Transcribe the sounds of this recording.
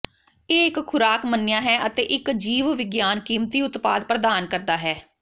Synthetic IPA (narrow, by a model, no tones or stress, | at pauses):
eːɪkkʰʊɾaːkmənːɪjãːɦɛːʔət̪eːʔɪkd͡ʒiːʋʋɪɡjaːnkiːmt̪iːʊt̪paːd̪pɾəd̪aːnkəɾd̪aːɦɛː